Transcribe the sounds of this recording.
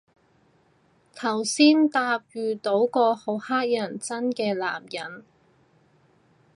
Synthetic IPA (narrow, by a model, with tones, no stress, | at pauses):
t̪ʰɐ˨˩wsiː˥nt̪aː˧p̚jyː˨t̪o˨˥wkɔː˧ho˨˧˥whaː˥k̚jɐ˨˩nt͡sɐ˥nkɛː˧la̰ː˨˩mjɐ˨˩n